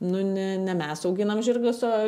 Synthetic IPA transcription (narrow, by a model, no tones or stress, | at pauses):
nʊnʲɛnʲɛmʲɛsɐʊɡʲɪnɐmʒʲɪrɡʊsoː